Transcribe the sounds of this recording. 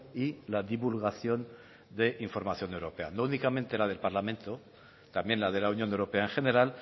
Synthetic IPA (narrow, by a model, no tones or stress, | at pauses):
ilaðiβulɣaθjo̞n | d̪e̞ʔiɱfo̞ɾmaθjo̞newɾo̞pe̞a̰nounikamẽnt̪elaðe̞lpaɾlamẽ̞nt̪o̞ | t̪amjẽ̞nlað̞e̞launjonewɾopeaeŋxe̞ne̞ɾal